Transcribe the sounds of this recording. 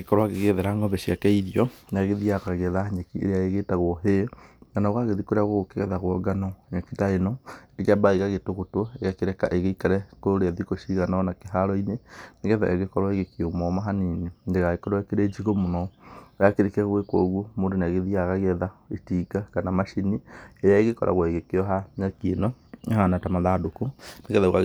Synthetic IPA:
ɣekɔɾwaɣeɣeðɛɾaŋɡɔbɛʃjakɛiðiɔnaɣeðiaɣaɣɛðaɲekiḛɾeaeɣetaɣwɔɦeɡanaɣaɣeðikoɾeaɣoɣokeɣɛðaɣwɔɡanɔɲakitaenɔekeabaiɣaɣetoɣotwɔeɣakeɾɛka̰ʔeɣeikaɾɛkooɾeaðikoʃiɣananakeɦaɾɔineneɣɛða̰eɣekɔɾaeɣekeomɔmaɦaninindeɣaɣekɔɾɔekeɾed͡ʒiɣomonɔojakeɾekɛɣwekwɔ̰ɣwomoɾenaɣeðiaɣaɣɛðaetiːɡakanamaʃinieɾjaeɣekɔɾʔa̰ɣwaeɣekeɔɦanakenɔehanatamaðadokoneɣɛðaɣa

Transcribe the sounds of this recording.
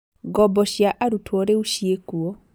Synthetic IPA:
ɡɔbɔʃjaʔaɾutʰwɔɾeuʃiekuo

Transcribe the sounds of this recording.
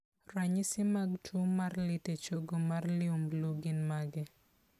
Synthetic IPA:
ɾaɲɪsɪmaɡtʰumarlɪtet͡ʃoɡomarlɪomluɡɪnmaɡɪ

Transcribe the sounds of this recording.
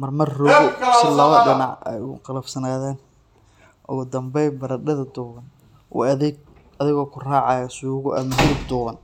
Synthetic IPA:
mɐrmɐrːɔɣsɪlɔːɣɐɖɐnɑʕɛ̰jqɑlɐbsɐnaːðɛːn | ʔʊ̰ɣʊd̪ɐmbɛjbɐɾɐɖɐðɐd̪uːɣɐn | ʊ̰ɐðɪɡ̚ | ɐðɪɣɔːkʰʊraːʕɑjɐsuːɣʊʔɐ̰mɐɦɪlɪbd̪ʊːɣɐn

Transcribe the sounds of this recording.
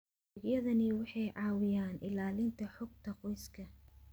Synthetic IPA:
ɡjɐðɐnɪwɑħɑjʕɑːwɪjaːnʔɪlaːlɪnt̪ʰɐħʊɡ̚t̪ʰɐqɔjskʰɐ

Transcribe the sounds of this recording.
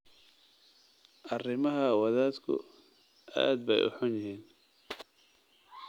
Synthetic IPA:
ʔɐrɪmɐɦɐwɐðaːd̪kʰʊ̰ | ʔa̰ːd̪̚bɛjʔʊ̰ħʊnjɪɦiːn

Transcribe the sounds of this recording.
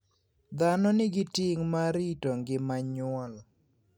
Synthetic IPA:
d̪anɔnɪɡɪtɪŋmaɾitoŋɡɪmaɲʊɔl

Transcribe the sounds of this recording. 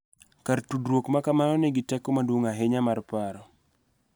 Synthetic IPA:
kartudɾwokmakamanɔnɛɡitɛkɔmadwoŋaɦeɲamarpaɾɔ

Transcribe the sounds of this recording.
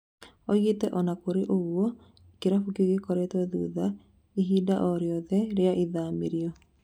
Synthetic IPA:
ɔɣetɛʔɔnakoɾeʔoɣwɔ | ekeɾafukiɣekɔɾetɛðṵða | iɦiːdaʔɔɾeɔðɛɾeaʔiðameɾiɔ

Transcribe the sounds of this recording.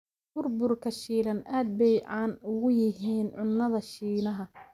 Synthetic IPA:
b̥ʊrbʊrkʰɐʃiːlɐnaːd̪̚bɛjʕaːnʊɣʊjɪɦiːnʕʊnːɐðɐʃiːnɐɦɐ

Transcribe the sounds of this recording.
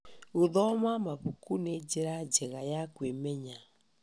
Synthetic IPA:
ɣoðɔmamaβukuned͡ʒeɾad͡ʒɛɣajakwemɛɲa

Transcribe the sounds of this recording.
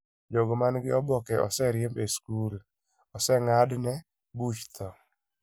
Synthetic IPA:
d͡ʒoɡomanɡɪɔbɔkɛʔɔ̰sɛɾɪjembeskul | ɔsɛŋadnɛ | but͡ʃt̪ʰɔ

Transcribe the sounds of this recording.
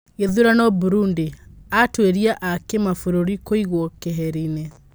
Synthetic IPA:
eðuɾanɔbuɾundiatweɾiaʔakemafoɾoɾikoiɣwɔkeɦɛɾine

